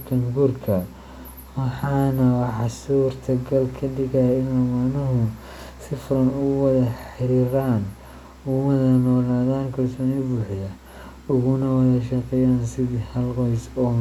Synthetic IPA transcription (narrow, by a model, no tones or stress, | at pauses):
kʰɐnɡurkʰɐ | wɑħɑːnɐwɑħɑsuːrt̪ʰɐɡɐlkʰɐdɪɣɐjɪnɛːmaʕnɐɦʊ | sɪfʊɾɐnʊɣʊwɐðɐħɪɾiːɾaːn | ʊwɐðɐnɔːlaːðaːnkʰɐlsɔːnibuːħjɐ | ʊɣʊnɐwɐðɐʃɐqɛjaːnsɪðihɐlqɔjsɔː